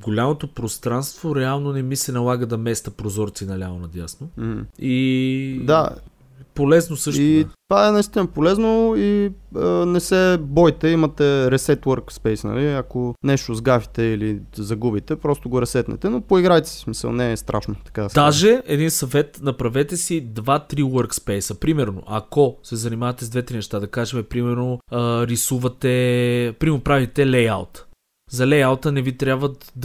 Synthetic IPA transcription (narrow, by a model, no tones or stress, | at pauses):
ɡolʲamot̪opɾost̪ɾanst̪voɾɛalˠnonɛmisɛnɐlˠaɡəd̪ɐmɛst̪ɐpɾozɔɾt̪siːnɐlʲamonɐd̪ʲjasnom̩h̩id̪a̰ | polɛznosɤʃtitt̪ovaɛnɐist̪inɐpolɛznoiənɛsɛbɔjt̪ɛimɐt̪ɛɾɛsɛt̪wəɾkspɛjsnɐ̰liɐkonɛʃt̪ozɡafi̥t̪ɛilizɐɡubit̪ɛpɾɔst̪oɡoɾɛsɛt̪nɛ̰t̪ɛnopoiɡɾajt̪i̥si̥smisə̰lˠnɛːst̪ɾʔa̰ʃnot̪ɐ̥kad̪aʒɛɛd̪insɐvɛt̪nɐpɾɐvɛt̪ɛsid̪vat̪ɾiwəɾkspɛjsəpɾimɛɾno̰ʔɐ̰kosɛzɐnimavɐt̪ɛzd̪vɛt̪ɾinɛʃt̪ad̪ɐkaʒɛmɛpɾimɛɾnoɾisuvɐt̪ɛpɾimopɾavit̪ɛlɛja̰lˠt̪ | zɐlɛjalˠt̪ənɛvit̪ɾʲjabvət̪d̪